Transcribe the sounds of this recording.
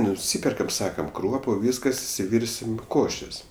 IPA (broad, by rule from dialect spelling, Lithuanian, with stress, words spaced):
nʊˈsʲiːpʲɛrkɐm ˈsɑːkɐm ˈkruɔpʊ ˈʋʲiːskɐs ɪʃʲsʲɪˈʋʲɪrʲsʲɪm ˈkoːʃʲeːs